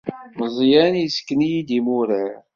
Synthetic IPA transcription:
məzˤjænjiskːənijid̪imuɾəɾ

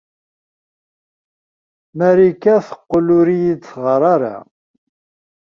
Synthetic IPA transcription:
mæɾikæθə̥qːlʊɾijit͡sːʁəɾˤɑɾa̰

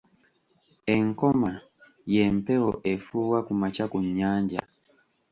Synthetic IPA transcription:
eŋkɔma | jɛm̩pɛɔʔefuwakumat͡ʃakuɲːaɲɟa̰

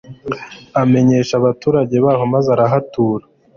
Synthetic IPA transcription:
ame̞ɲe̞ːʃaβatuːɾaɟe̞βaːɦo̞mazaɾaɦatuːɾa

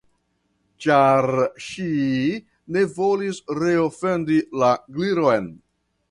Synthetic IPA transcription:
t͡ʃaɾʃi | ne̞vo̞lisɾe̞o̞fe̞ndilaɡliɾo̞jn

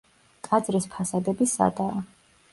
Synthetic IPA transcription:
kʼad̪zɾispʰasad̪ɛbisa̰d̪aː

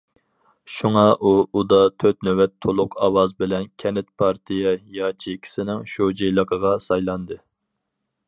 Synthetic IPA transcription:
ʃuŋɑʔuud̪ɑt̪ʰøt̪nøwɛt̪ʰːolˠʊqʰɑwɑzbɪlɛnkʲʰɛnɪt̪̚pʰɑɾt̪ʰijɛjɑːt͡ʃʰikʲʰi̥sɪnɪŋʃod͡ʒejlˠəqʰəʁɑsɑjlˠɑnd̪ɨ

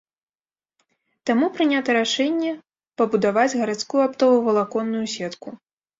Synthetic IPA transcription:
t̪amupɾɨnʲat̪ɐɾaʂɛnʲːɛ | pɐbud̪avad͡zʲɣɐɾat̪skujuapt̪ɔvɐvɐlˠakɔnːujusʲɛt̪ku

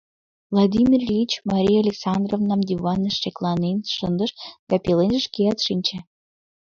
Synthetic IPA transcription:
vlˠɑd̪ʲimʲirʲit͡ɕmɑɾʲijalʲeksɑnd̪rovnɑmd̪ʲivɑnːəʃːeklˠɑnenʃənd̪əʃd̪̥ɑpelenʒəʃkiɑt̪ʃinʲt͡ɕe

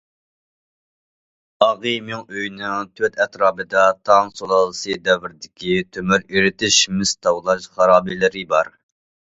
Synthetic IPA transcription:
ɑʁɨmɪŋøjnɪŋt̪ʰøt̪ɛt̪ɾɑːbɨd̪ɑt̪ʰɑŋsolˠɑlˠɨsɨd̪ɛwɪɾd̪ɪkʲit̪ʰømyɾiɾɪt̪ɪʃmɪst̪ɑwlˠɑʃχɑɾɑːbilɪɾɪbɑɾ

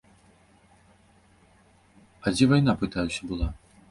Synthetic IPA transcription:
ad͡zʲɛvajn̪apɨt̪ajusʲɐbɨlˠa

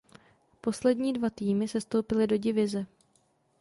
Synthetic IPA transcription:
po̞slɛdɲiːdvat̪iːmɪsɛst̪o̞wpɪlɪdo̞ɟɪvɪzɛ

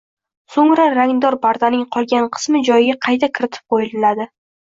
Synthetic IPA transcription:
soŋɾaɾaŋd̪ɒɾbaɾd̪anɪŋqʰɒlˠɡʲanqʰɨ̥smɪd͡ʒɒjɪɡʲaqʰɑjt̪ʰakʲʰɪɾɪt̪ʰɪ̥p̚qʰojɪlɪlad̪ɪ

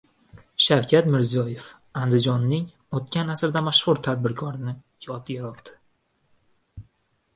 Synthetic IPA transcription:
ʃawkʲʰat̪mɪɾzijɒje̞f | and̪ɪd͡ʒɒnːɪŋ | ot̪kʲanasɾɪd̪amaʃχʊɾt̪ʰad̪̚bɪɾkʰɒɾɪnɪ | jɒt̪ʰɪjaɾɒqd̪̥ɪ̥

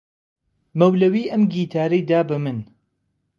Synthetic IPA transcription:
mɐwlɐwiːʔɐmɡiːt̪ʰaːɾɐjd̪aːbɐmɨn

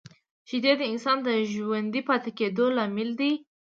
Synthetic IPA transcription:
ʒ̥ɪd̪ed̪əɪnsɑnd̪əʒwand̪ipɑt̪eked̪olɑmɪld̪i

